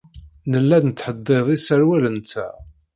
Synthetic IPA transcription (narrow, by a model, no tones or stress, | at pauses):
nəlːænnət̪ːħəd̪ˤːeðˤisəɾwælənt͡sːæ̰